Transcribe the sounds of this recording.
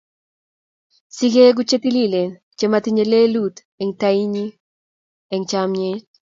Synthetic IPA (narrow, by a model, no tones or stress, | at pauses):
siɡeɡut͡ʃet̪ilile | t͡ʃemat̪iɲelelut̪ | ɛŋt̪aiɲi | ɛŋt͡ʃamɲe